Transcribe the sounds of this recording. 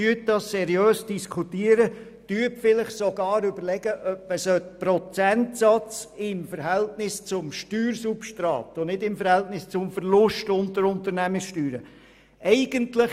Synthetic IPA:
yət̚dɑssɛɾjøːsd̥iskʰutiəɾə | tyːəpfɪlɪχsoɡɑːɾʏbəɾlɛɡ̥əʔœp̚məsœt̚pɾɔt͡sɛntsɑt͡sɪmfəɾɦɛltnɪst͡sʊmʃtyːɾsupʃtɾɑ̰ːtʊnɪdɪmfəɾhɛltnɪst͡sʊmfəɾlʊʃtʊntəɾʊntəɾnæməsʃtyːɾə | ɛɪɡ̥əntlɪ

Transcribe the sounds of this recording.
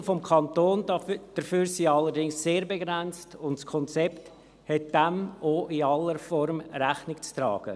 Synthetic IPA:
fɔmkʰɑntoːnd̥əɾfyːɾsiːɑlːəɾdɪŋsːeːɾbeɡɾɛnt͡stʊntskʰɔnt͡sɛpt | hɛt̚d̥ɛmʔoʔɪɑlːəɾfɔɾmɾæχnɪkt͡stɾɑ̰ːɡ̥ə̰

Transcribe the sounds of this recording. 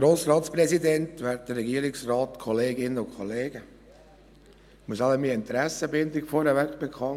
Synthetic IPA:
ɾoːsɾɑːtspɾɛzidɛntʋæːɾt̚d̥ərːɛɡiəɾɪksrɑːtkʰɔleːɡɪnəʊnkʰχɔleːɡə | muəsɑləmiɪnt̪ɾæsəbɪndɪkfɔɾhɛvækb̥ɛkʰɑn

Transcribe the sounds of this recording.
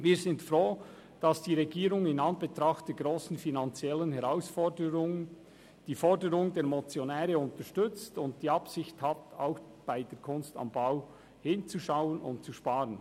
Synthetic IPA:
viːɾzɪntfɾoː | d̥ɑsd̥iːʁɛɡiːɾʊŋɪnɑnbetɾɑχtd̥eːɡ̥ɾoːsn̩finɑnt͡sjɛlənhɛʁaʊsfɔdəɾʊŋən | d̥iːfɔɾdəɾʊŋdeːɾmɔt͡sjonɛːɾəʊntəʃtʏt͡stʊntd̥iːɑpsɪçthatʰaʊx | b̥aɪdeːɾkʰʊnstɑ̰mbaʊ | hɪnt͡suʃaʊənʊ̰ntt͡suʃpaːɾən

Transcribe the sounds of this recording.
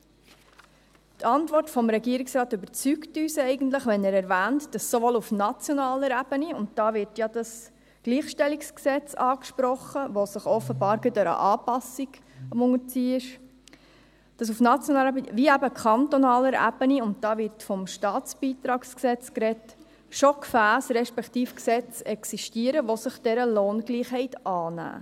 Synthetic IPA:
tʰɑntvɔrtfɔmɾɛɡiːəɾiksɾɑːtʏbəɾt͡syktyːsɛɪɡəntləχʋɛnæːɾɛɾvæːntd̥ɑsːoʋolufnɑt͡sjɔnɑːləɾæb̥əniʊntd̥ɑːʋɪɾtjɑd̥ɑs | ɡ̥liːχʃtɛliksksɛt͡sɑːkʃpɾɔχəʋosəχɔfəbɑːɾɡɪd̪ɛɾə̰ʔɑːpɑsiɡ | əmʊŋət͡siːɪʃ | d̥ɑs̬ufnɑt͡sjɔnɑːɛbʋiæbəkʰχɑnt̪ɔnɑːləɾæ̰b̥əniʊnt̚d̥ɑːʋɪɾtfɔmʃtɑːtt͡sb̥iːt̪ɾɑːksksɛt͡skɾɛt | ʃɔkfæːsɾɛʃpɛktiːfksɛt͡sɛksiʃtiəɾəʋosəχd̥ɛɾəloːnɡ̥liːχɦɛɪtɑːnæ̰ː

